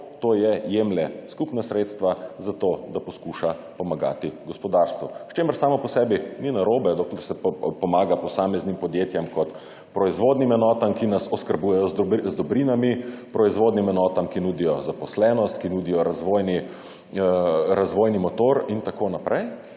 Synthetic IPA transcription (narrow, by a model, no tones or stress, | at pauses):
t̪oːjɛjemlɛskupnasɾet̪st̪ʋazat̪oːd̪apɔskuʃapɔmaɡa̰ːt̪iɡɔspɔd̪aːɾst̪ʋuʃt͡ʃeːməɾsaːmɔpɔsɛːbininaɾoːbɛd̪ɔklɛɾsɛpɔmaːɡapɔsaːmɛznimpɔd̪jeːt̪jɛmkɔt̪ | pɾɔizʋoːd̪nimɛnɔːt̪amkinasɔskəɾbuːjɛjɔzzd̪ɔbɾiːnamipɾɔizʋoːd̪nimɛnɔːt̪amkinuːd̪ijɔzapɔslɛːnɔst̪kinuːd̪ijɔɾazʋojni | ɾazʋoːjnimɔt̪oːɾint̪akoːnapɾʔɛj